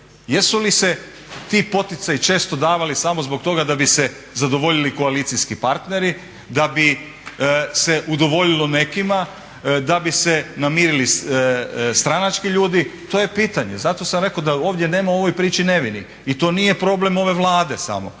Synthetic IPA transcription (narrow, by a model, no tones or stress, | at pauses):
jesulise | t̪ipo̞t̪it̪sajit͡ʃe̞ːst̪o̞d̪aːʋalisamo̞zbokt̪o̞ɡad̪abise | zad̪o̞ʋo̞ʎiliko̞aliːt̪siskipaɾt̪ne̞ɾi | d̪abi | seʔud̪o̞ʋo̞ʎilˠo̞ne̞kima | d̪abisenamiːɾili | st̪ɾanat͡ʃkiʎuːd̪it̪oːjepiːt̪aɲe̞zat̪o̞samɾe̞kod̪ao̞ːʋd̪je̞ne̞ːmao̞ʋo̞jpɾiːt͡ʃine̞ʋini | it̪o̞ːnije̞pɾo̞ːble̞mo̞ʋe̞ʋlˠaːd̪e̞sa̰mo̞̰